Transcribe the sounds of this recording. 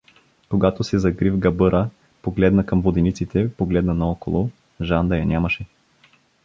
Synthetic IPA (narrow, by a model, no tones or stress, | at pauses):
koɡat̪osɛzɐɡɾivɡɐbɤɾʔə | poɡlɛd̪nɐkɐmvod̪ɛnit̪sit̪ɛpoɡlɛd̪nɐnɐɔkolˠo | ʒand̪ɐjɐnʲʔamɐʃɛ